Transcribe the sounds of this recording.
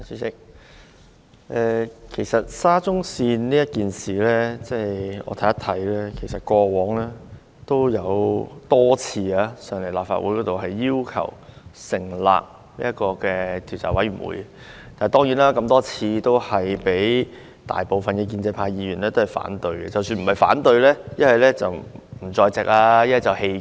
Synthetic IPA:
syː˧˥sɪ˥k̚ | ʔɛː˧kʰe˨˩jsɐ˨t̚saː˥t͡sʊ˥ŋsiː˧nniː˥jɐ˥t̚kiː˨nsiː˨˩lɛː˥t͡sɛː˥˩ɔ̰ː˧t̪ʰɐ˨˥jɐ˥t̪ʰɐ˨˥jlɛː˥kʰe˨˩jsɐ˨t̚kʷɔː˧wɔː˨˥ŋlɛː˥ | t̪o˥wjɐ˨˧wt̪ɔː˥t͡sʰiː˧aː˨˧sœː˨˩ŋle˨˩la̰ː˨p̚fa̰˧t̚wuː˨˥jkɔː˨˥t̪o˨wɦɐ˨jːiː˥wkʰɐ̰˨˩wsɪ˨˩ŋla̰ː˨k̚ | lḭː˥ɐ˥kɔː˧kɛː˧t̪ʰi˨˩wt͡sa̰˨˥jwɐ˨˥jɥy˨˩wṵː˨˥j | t̪aː˨˩t̪ɔː˥ŋji˨˥nlaː˥kɐ˧mt̪ɔː˥t͡sʰiː˧t̪o˥whɐ˨jpe˨˥j | t̪a̰ː˨jpo˨wfɐ˨nkɛ˧k̬iː˧nt͡sɛ˧pʰaː˧jiː˧ɥyː˨˩nɛː˥t̪o˥hɐ˨˩jfa̰ː˨˥nt̪ɵ˧ɥɡɛ˧t͡sɐ˨wsyː˧nm̩˨˩hɐ˨˩jfa̰ː˨˥nt̪ɵ˧ɥlɛː˥jɐ˥nhɐ˨jlɛː˥t͡sɐ˨wm̩˨˩t͡sɔː˧jt͡sɪ˨k̚aː˧jɐ˥nhɐ˨˩t͡sɐ˨˩whe˧

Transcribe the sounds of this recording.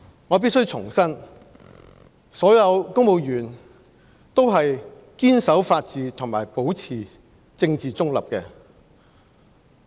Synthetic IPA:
ŋɔː˨˧p̬i˥t̚sɵ˥wt͡sʰʊ˨˩ŋsɐ˥n | sɔː˨˥jɐ˨˧wkʊ˥ŋmo˨˧wjyː˨˩n | t̪o˥wɦɐ˨j | kiː˥nsɐ˨˥wfaː˧t̚t͡siː˨˧t̪ʰʊ˨˩ŋmaː˨˩jpo˨˥wt͡sʰiː˨˩ | t͡sɪ˧ŋt͡siː˨t͡sʊ˥ŋlɐ̰˨˩p̚kɛː˧

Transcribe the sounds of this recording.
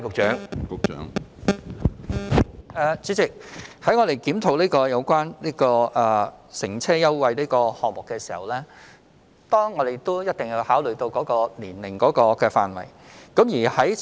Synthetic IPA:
kʊ˨k̚t͡ʃœː˨˥ŋkʊ˨k̚t͡ʃœ̰ː˨˥ŋ | ʔɛː˨˧t͡si˨˥t͡sɪ˨k̚hɐ˨˥jŋɔː˨˧ɾe˨jkiː˨˥mt̪ʰo˨˧wliː˥kɔː˧jɐ˨˧wkʷaː˥nliː˥kɔː˧ʔɛː˨sɪ˨˩ŋt͡sʰɛː˥jɐ˥wwɐ˨jliː˥kɔː˧hɔː˨k̚mʊ˨kːɛː˧si̥ː˨˩hɐ˨˩wlɛː˥ | t̪ɔː˥ŋːɔː˨˧d̪e˨jt̪o˥jɐ˥t̚t̪ɪ˨ŋji˨˧whaː˨˥wlɵ˨˩t̪o˧wkɔː˨˥kɔː˧liː˨˩nlɪ˨˩ŋkɔː˨˥kɔː˧kɛː˧fa̰ː˧nwɐ̰˨˩jkɐ˨˥mjiː˨˩hɐ˨˥j

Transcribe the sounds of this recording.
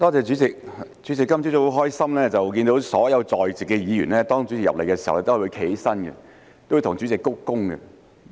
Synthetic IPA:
t̪ɔː˥t͡sɛː˨˧t͡ʃy˨˥t͡sɪ˨k̚t͡ʃy˨˥t͡sɪ˨kːɐ˥mt͡ɕy˥t̪o˥wɦɔː˥jsɐ˥mlɛː˥t͡sɐ˨wk̬iː˧nt̪o˨˥wsɔː˨˥jɐ˨˧wt͡sɔː˨˩jt͡si˨kɛ˧jiː˨˧jyː˨˩nlɛː˥t̪ɔː˥ŋt͡ʃy˨˥t͡sɪ˨kjɐ̰˨p̚le˨˩jkɛː˧si˨˩hɐ˨wlɛ˥t̪ːwu˧jkʰe˨˥jsɐ˥nɡɛ̰˧ | t̪o˥wu˧˩t̪ʰʊ˨ŋt͡ʃy˨˥t͡sɪ˨˩kːʊ˥kkːʊ˥ŋɡɛ̰˧

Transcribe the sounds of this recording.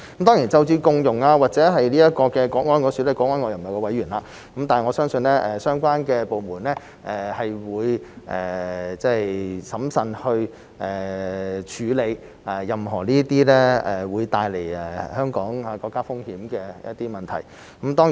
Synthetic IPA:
kmt̪ɔː˥ŋjiː˨˩nt͡sɐ˧wt͡syː˧kʊ˧ŋjʊ˨˩ŋaː˧waː˨k̚t͡sɛː˨˥ɦɐ˨jliː˥jɐ˥t̚kɔː˧kɛː˧kʷɔː˨˥ŋɔː˥nkɔː˧˥syː˨˧˥lɛ˥˩kʷɔː˨˥ŋɔː˥nŋɔː˧jɐ˨˩˨ɐ˨jkɔː˧wɐ˨˥jɥyː˨˩nlaː˧ | kɐ˦˥mt̪aː˨n˨˩ŋɔː˨˧sœː˥ŋsɵ˧nlɛː˥ʔɛ˨sœː˥ŋkʷaː˥nkɛː˧po˨wmuː˨˩nlɛː˥ | ʔɛ˨˩hɐ˨jwuː˨˧jʔɛ̰ː˨˩t͡sɛ˥sɐ˨˥msɐ˨˧nhɵ˧ɥ | ʔɛː˨˩t͡ʃʰyː˨˧le˨˧j | ʔa˨jɐ˨mɦɔː˨˩niː˥t̪iː˥lɛ˥ɛ˨wuː˨˧jt̪aː˧jle˨˩jɛ˨˩hœː˥ŋkɔː˨˥ŋa˨˧kɔː˧kːaː˥fʊ˥ŋhiː˨˥mkɛː˧jɐ̰˥t̚t̪iː˥mɐ˨nt̪ʰɐ˨˩j | kɐ˨˦˥mt̪ɔː˥ŋ˨

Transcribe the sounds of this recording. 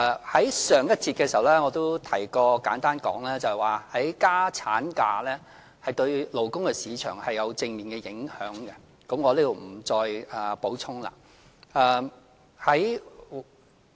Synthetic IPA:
hɐ˨˥jsœː˨ŋjɐ˥t̚t͡siː˧t̚kɛ˧si˨˩ɐ˨wlɛː˦˥ŋɔː˨˧t̪o˥wt̪ʰɐ˨˩jkɔː˧kaː˨˥nt̪aː˥nkɔ̰ː˨˥ŋlɛː˥t͡sɐ˨hɛ˨˩waː˨hɐ˨˥jkaː˥t͡sʰaː˨˥nka̰ː˧lɛː˥ | hɐ˨jt̪ɵ˧ɥlo˨˩wkʊ˥ŋkɛ˧siː˨˧t͡ʃʰœː˨˩ŋhɐ˨jɐ˨˧wt͡sɪ˧ŋmiː˨˩nkɛ˧jɪ˨˥ŋhœ̰ː˨˥ŋɡɛ˧ | kɐ˨˧˥mŋɔː˨˧lɛː˥to˨wm̩˨˩t͡sɔː˧jɛ˨˩po˨˥wt͡sʰʊ˥ŋla̰ː˧ | ɛː˨˧ | hɐ˨˥j

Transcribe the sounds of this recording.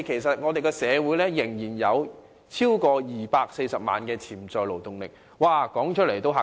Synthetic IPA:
kʰe˨˩js̬ɐ˨t̚ŋɔː˨˧t̪e˨jkɛ˧sɛː˨˧wuː˨˥jlɛː˥jɪ˨˩ŋjiː˨˩njɐ˨˧w | t͡sʰiː˥wkɔː˧jiː˨paː˧k̚se˧jsɐ˨p̚ma̰ː˨˧nkɛː˧t͡sʰiː˨˩mt͡sɔː˨˧jlo˨˩wt̪ʊ˨ŋlɪ˨k̚ | waː˨˩kɔː˨˥ŋt͡ʃʰt̚le˨˩jt̪o˥wɦa˨

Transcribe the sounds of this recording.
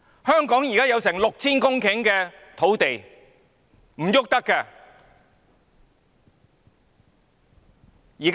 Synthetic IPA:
hœː˥ŋkɔː˨˥ŋjiː˨kaː˥jɐ˨˧wsɛː˨˩ŋlʊ˨k̚t͡sʰiː˥nkʊ˥ŋkʰɪ˨˥ŋkɛː˧ | t̪ʰo˨˥wt̪e˨j | m̩˨˩jʊ˥k̚t̪ɐ˥kːɛ˧ | jiː˨˩k

